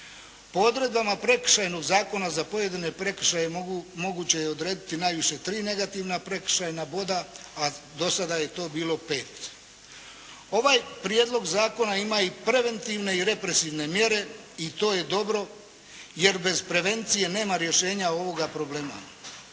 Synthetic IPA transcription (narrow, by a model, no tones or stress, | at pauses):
po̞o̞d̪ɾe̞d̪bamapɾe̞kr̩̥ʃajno̞ɡzaːko̞nazapo̞je̞d̪ine̞pɾe̞k̩ʃajemo̞ɡut͡ɕe̞jeo̞d̪ɾe̞ːd̪it̪inajʋiʃe̞t̪ɾiːne̞ɡat̪iʋnapɾe̞kr̥̩ʃajnabo̞d̪aad̪o̞sad̪aje̞t̪o̞ːbiːlˠo̞pe̞ːt̪ | o̞ʋajpɾijed̪lo̞ɡzaːko̞naimaipɾe̞ʋe̞nt̪iʋne̞iɾe̞pɾe̞siʋne̞mje̞ɾe̞ | it̪o̞ːje̞d̪o̞bɾo̞ | je̞ɾbe̞zpɾe̞ʋe̞nt̪sije̞ne̞ːmaɾje̞ʃe̞ːɲao̞ʋo̞ɡapɾo̞ble̞ːma̰